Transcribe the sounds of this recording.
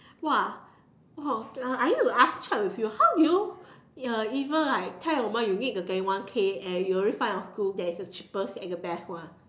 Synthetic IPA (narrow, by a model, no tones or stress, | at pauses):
wa | waãanituast͡ʃɛt̚wifjuhawduju | ãivə̃nlaɪk̚tʰɛlomajunit̚ɡəɡãwãnkʰeɛ̃juəɹifãnɔfɡudɛtkət͡ʃi̥pəsɛkəbɛswãn